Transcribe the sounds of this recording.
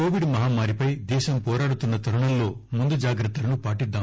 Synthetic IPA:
koːʋiɖmɐɦaːmaːɾipɐjd̪ɛːʃɐmpɔːɾaːɽut̪unːɐt̪ɐɾɐɳɐmlo̞ː | mund̪ud͡ʒaːɡɾɐt̪ːɐlɐnupaːʈid̪ːaː

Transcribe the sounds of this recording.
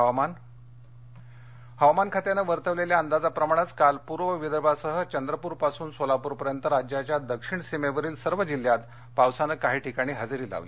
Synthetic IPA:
an | həʋamankʰat̪janəʋəɾt̪əʋleljaənd̪ad͡zapɾəmaɳ̃at͡skalpuɾʋəʋid̪əɾbʱasəɦət͡ɕənd̪ɾəpuːɾpasuːnsolapuːɾpəɾjənt̪əɾad͡ʑjat͡ɕjad̪əkʂiɳsimeʋəɾiːlsəɾʋəd͡ʑil̤ːjat̪ | pawsanəːkaɦiːʈʰikaɽ̃iːɦad͡zɾiːla̰ʋlḭː

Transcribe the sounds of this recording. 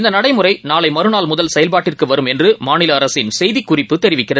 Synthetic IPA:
ɪnd̪ɐnɐɽɐɪmɯrɐɪnaːlɐɪmɐɾɯnaːlmʊðɐlsɛjɐlpaːʈːɪrkɯʋɐɾɯmɛndrɯmaːnɪlɐːɾɐsɪnsɛjðɪkːʊrɪpːɯt̪ːɛɾɪʋɪkːɪrɐð

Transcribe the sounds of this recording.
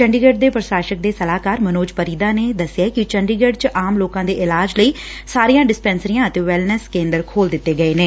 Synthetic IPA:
t͡ʃəɳɖiːɡeːɖd̪eːpɾəʃaːʃək̚d̪eːsəlaːkaːɾmənoːd͡ʒpəɾiːd̪aːneːd̪əsɪjaːkɪt͡ʃəɳɖiːɡeɖt͡ʃʔaːmloːkãːd̪eːʔɪlaːd͡ʒləiː | saːɾiːãːɖɪspɛ̃ːnsəɾiːãːət̪eːʋɛlnəskẽːnd̪əɾkʰoːld̪ɪt̪ːeːɡəeːneː

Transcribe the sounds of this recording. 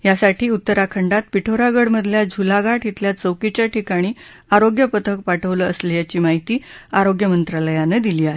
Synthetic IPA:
jasaʈʰiːut̪ːəɾakʰəɳɖat̪̚piʈʰoɾaɡəɽməd̪ʱljad͡ʑʱulaɡaʈʰit̪ljat͡səwkit͡ɕjaʈʰikaɽ̃iː | aɾoɡjəpət̪ʰək̚paʈʰəʋləəslijat͡ɕiːmaɦit̪iːaɾoɡjəmənt̪ɾaləjaned̪iliːaɦe

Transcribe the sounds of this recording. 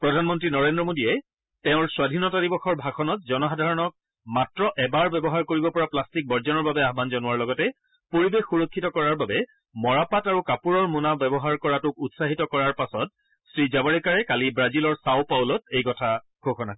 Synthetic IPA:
pɹɔdʱanmɔntɹinɔɹendɹɔmodijɛ | tɛʊ̃ɹswadʱinɔtadibɔxɔɹbʱaxɔnɔt̚zɔnɔxadʱaɹɔnɔk̚ | matɹɔʔɛbaɹbɛbɔɦaɹkoɹibɔpɔɹaplastik̚bɔɹzɔnɔɹbabɛaɦbanzɔnuwaɹlɔɡɔtɛ | poɹibexːuɹɔkʰːitɔkɔɹaɹbabɛ | mɔɹapataɹukapuɹɔɹmunabɛbɔɦaɹkɔɹatʊkutsaɦitɔkɔɹaɹpasɔt̚ | sɹizabɔɹɛkaɹɛkalibɹazilɔɹsawpawlɔtejkɔtʰa | ɡʱoxɔna

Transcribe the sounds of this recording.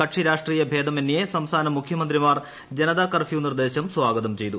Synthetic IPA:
kɐʈʂiɾaːʂʈriːjɐbʱeːd̪ɐmenːjesɐmst̪ʰaːnɐmːukʰjɐmɐnd̪ɾimaːr | d͡ʑenɐd̪aːkɐrfʰjuːnird̪e̞ːɕɐmswaːɡɐd̪ɐmt͡ɕe̞jt̪u

